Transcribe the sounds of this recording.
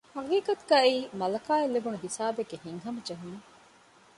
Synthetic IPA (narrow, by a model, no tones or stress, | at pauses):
hɐkiːkɐt̪uɡaːiːmɐlɐkaːelːeɡunuɦisaːbeɡːehiŋɦɐmɐd͡ʒɐɦume